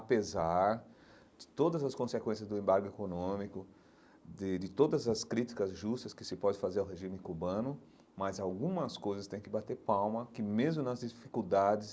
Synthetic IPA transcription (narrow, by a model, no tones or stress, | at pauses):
apezaɾ | d͡ʒ̪ɪ̥t̪od̪ɐzɐskõsekwẽsjɐzd̪ʊẽmbaɾɡʊekonõmikʊ | d̪ɪd̪ɪt̪od̪ɐzɐskɾit͡ʃi̥kɐzʒust̪ɐskɪsɪpɔd͡ʒɪfazeɾawɦeʒĩmɪkubɐ̃nʊ | mɐzawɡũmɐskojzɐst̪ẽj̃kɪbat̪eɾpawmɐkɪmezmʊnɐzd͡ʒɪfi̥kud̪ad͡ʒɪs